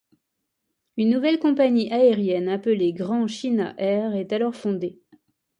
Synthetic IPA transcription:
ynːuvɛlkɔ̃paɲiʔaeʁjɛnapəleɡʁɑ̃ʃina̰ʔɛʁɛt̪alɔʁfɔ̃d̪e

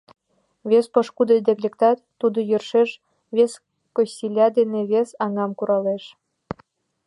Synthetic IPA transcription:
βʲespɤ̆ʃkud̪ed̪eklʲekt̪ɑt̪ːud̪ŏjørʃeʃ | βʲes | kosʲilʲɑd̪eneβesɑŋɑmkuɾɑleʃ

